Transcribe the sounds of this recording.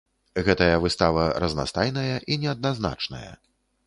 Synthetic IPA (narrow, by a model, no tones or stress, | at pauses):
ɣɛt̪ɐjɐvɨst̪avɐɾɐzna̰st̪ajnɐjɐʔinʲɛɐd̪̚nazna̰t͡ʂnɐjɐ̰